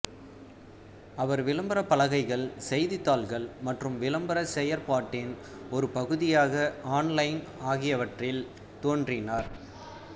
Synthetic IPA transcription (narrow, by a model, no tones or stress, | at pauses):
ɐʋɐɾʋɪlɐmbɐɾɐpːɐlɐɣɐɪɣɐɭsɛjðɪt̪ːaːlɣɐɭmɐʈrɯmʋɪlɐmbɐɾɐsɛjɐɾpaːʈːɪn | ɔɾɯpɐɣɯðɪjaːɣɐaːnlɐɪn | aːɣɪjɐʋɐʈrɪl | t̪oːndrɪnaːɾ